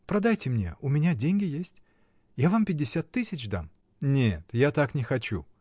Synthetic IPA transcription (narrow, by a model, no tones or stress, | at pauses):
pɾɐd̪ajtʲɪmnʲe̞̰ʊmʲɪnʲadʲenʲɡʲɪjesʲtʲ | javampʲɪdʲːɪsʲat̪ːɨsʲɪt͡ɕd̪a̰m | nʲet̪jat̪aknʲɪxɐt͡ɕṵ